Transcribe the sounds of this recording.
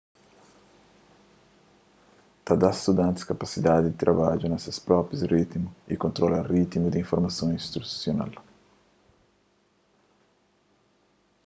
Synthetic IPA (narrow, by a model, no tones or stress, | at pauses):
t̪ad̪ast̪ud̪ãnt̪ɪ̥skapasid̪ad̪ɪd̪ɪt̪ɾabad͡ʒʊnasɐspɾɔpɾjʊsrit̪mʊikõnt̪ɾɔlarit̪mud̪iɱfoɾmasõŋĩst̪ɾu̥sjona̰l